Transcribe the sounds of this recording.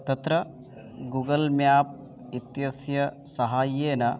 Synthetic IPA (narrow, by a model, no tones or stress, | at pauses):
t̪ɐt̪ɾɐ | ɡuːɡɐlmjaːp̚ | it̪jɐsjɐ | sɐɦaːjeːnɐ